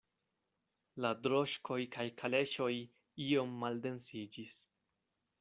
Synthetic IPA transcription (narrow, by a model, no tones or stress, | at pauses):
ladɾo̞ʃkʰo̞jkʰajkʰale̞ʃo̞j | io̞mːalde̞nsid͡ʒis